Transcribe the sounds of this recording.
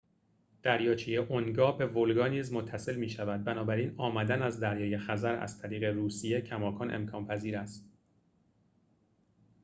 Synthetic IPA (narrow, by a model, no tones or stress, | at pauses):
d̪̥æɾjɒːt͡ʃʰijeʔonɡɒːbe̞volɡɒːniːzmo̞t̪ʰːæse̞lmiːʃævæd̪̚bænɒːbæɾiːnɒːmæd̪ænæzd̪æɾjɒːje̞xæzæɾæ̰z̥t̪ʰæɾiːɣe̞ɾuːsije̞cʰæmɒːkʰɒːnʔḛmkʰɒːnpʰæziːɾæst̪